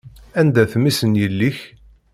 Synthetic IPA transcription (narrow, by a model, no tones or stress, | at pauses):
ænd̪æθmisənjəlːiç